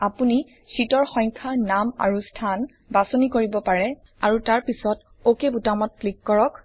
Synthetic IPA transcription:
apuni | sitɔɹxɔjŋkʰaɹnama̰ɹustʰan | basonikoɹibɔpaɹɛ | aɹutaɹpisɔt | okebutamɔt̚klikːɔɹɔk

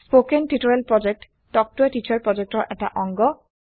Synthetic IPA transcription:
spokentitɔɹɛlpɹɔd͡ʒɛk̚t | tɔk̚tuɛtit͡ʃʰaɹpɹɔd͡ʒɛk̚tɔɹʔɛta̰ʔɔŋɡɔ

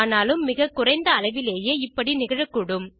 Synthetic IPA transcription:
naːlɯmːɪɣɐkːʊrɐɪnd̪ɐːlɐɪʋɪleːjeːɪpːɐɽinɪɣɐɻɐkːʊɽɯm

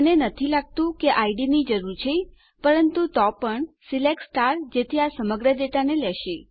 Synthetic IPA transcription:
ənenət̪ʰilaɡ̚t̪ũkeʔaiɖinid͡ʒəɾuɾt͡ʃʰej | pəɾənt̪ut̪ɔpəɳsileksʈaɾd͡ʒet̪ʰiasəməɡɾədeʈanelɛʃe

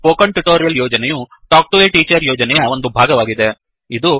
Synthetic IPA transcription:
poːkɐɳʈuʈoːɾijɐljoːd͡ʒɐnɛju | ʈaːk̚ʈuʋeːʈiːt͡ʃɐɾjoːd͡ʒɐnɛjɐo̞nd̪ubʱaːɡɐʋaːɡid̪e̞ | id̪u

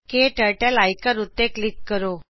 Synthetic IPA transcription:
keʈəɭʈalajkaɾut̪ːeklikːəɾo

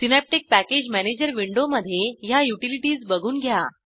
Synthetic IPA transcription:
sinæp̚ʈik̚pæked͡ʑmæned͡ʑəɾʋiɳɖoməd̪ʱːjejajuʈiliʈiːzbəɡʱuːnɡʱja

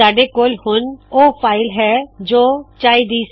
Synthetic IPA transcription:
aːɖekoːlhʊnoːpʰaːɪlɦɛd͡ʒoːt͡ʃaːid̪iːs

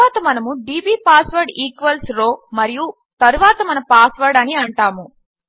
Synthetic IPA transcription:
aːt̪ɐmɐnɐmuɖiːbiːpaːsʋɐɾɖiːkʋɐlsɾoːmɐɾiju | t̪ɐɾuʋaːt̪ɐmɐnɐmpaːsʋɐɾɖɐniɐɳʈaːmu

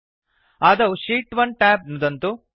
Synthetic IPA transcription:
aːd̪ɐʃiːʈʋɐɳɖʈaːp̚nud̪ɐnt̪u

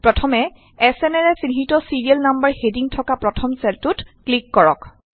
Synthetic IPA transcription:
pɹɔtʰɔmɛ | ɛsɛnɛɹɛsiniɦitɔsiɹiɛlnambəɹhediŋtʰɔkapɹɔtʰɔmsɛltutklikːɔɹɔ̰k

